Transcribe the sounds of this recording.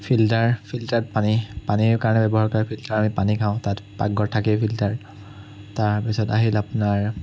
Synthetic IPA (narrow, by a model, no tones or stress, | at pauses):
pʰiltaɹpʰiltat̚panipaniɹkaɹɔnɛbɛbɔɦaɹkaɹipʰiltaɹamipanikʰãʊ̃tatpa̰ɡːɔɹtʰakɛpʰiltaɹ | taɹpisɔtaɦilapʊnaɹ